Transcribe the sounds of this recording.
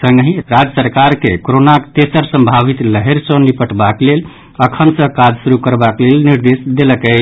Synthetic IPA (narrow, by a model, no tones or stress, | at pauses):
səŋɡɦĩɾad͡ʒəsəɾkaɾkekoɾonakt̪esəɾsəmbʱabit̪ləɦeɾsə̃nipəʈbaklel | əkʰənsə̃kad͡ʒsuɾukəɾbaklelniɾd̪esd̪eləkət͡ʃʰ